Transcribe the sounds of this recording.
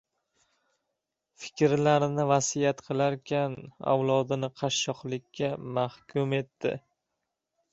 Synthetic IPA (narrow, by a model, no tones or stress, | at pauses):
fɪ̥kʲɾlaɾnɪvasijat̪qʰɨlˠaɾkʲʰana̰wlˠɒd̪ɪnɪqʰɑʃːɒχlˠɪkʲʰːamahkʲʰʊme̞t̪ːɪ̰